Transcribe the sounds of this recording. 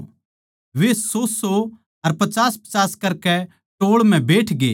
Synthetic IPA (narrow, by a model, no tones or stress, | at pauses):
ʋeːsoːso | ɐɾpɐt͡ʃaːspɐ̥t͡ʃaːskɐɾkɛ | ʈoːɭm̤ɛ̃beːʈʰɡḛː